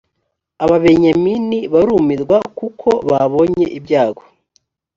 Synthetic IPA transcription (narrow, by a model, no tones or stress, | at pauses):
aβaβe̞ɲaminiβaɾumiɾɡwakukʰo̞βaβo̞ɲe̞ʔibɟaːɡo̞